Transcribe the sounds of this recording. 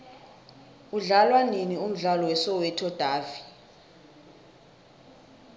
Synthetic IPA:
uɮalwaninium̩ɮalɔwɛsɔwɛtʰɔd̥ʱaːvi

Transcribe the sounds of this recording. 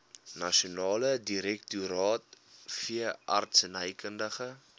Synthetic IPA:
nɐʃionɑːlədiɾɛk̚tuɾɑːt̚ | fiəʔɐrtsənəjkəndəχə

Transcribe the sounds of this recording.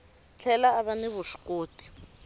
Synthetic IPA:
t͡ɬʰɛlaːβaniβuʃu̥koːtʼi̥

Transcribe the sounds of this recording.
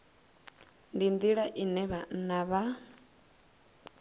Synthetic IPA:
ndind̪iɺaʔinɛβanaβa

